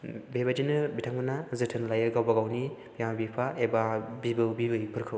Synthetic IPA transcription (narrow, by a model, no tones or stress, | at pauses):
bebad͡ʒinɯbitʰaŋbɯnazɯtʰɯnlajɯɡawbaɡawnibijamabipʰaebabibɯbibɯjpʰɯɾkʰɯw